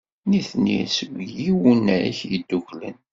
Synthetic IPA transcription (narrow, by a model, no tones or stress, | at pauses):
niθnḭsəɡʷjiwunæɾḭçjid̪ːuçlə̰n